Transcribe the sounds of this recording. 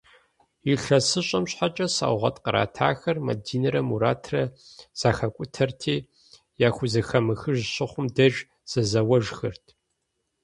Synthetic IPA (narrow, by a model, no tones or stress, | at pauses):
iɬɐsɨɕʼɐmɕħat͡ʃʼɐsa̰ːwʁɐ̰tʼqəɾa̰ːtʰaːxɐrmɐ̰diːnɨɾɐmuɾaːtʰrɐz̥aːxɐkʷʼʊtʰɐrtʰiː | jaːxʷʊzɐxɐmɨxɨʒɕɪχʷʊmdɐʒ | z̥ɐzɐwɐʒxɨrtʰ